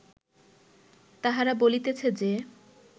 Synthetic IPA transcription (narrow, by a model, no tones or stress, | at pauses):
t̪aɦaɾabolit̪et͡ɕʰed͡ʑe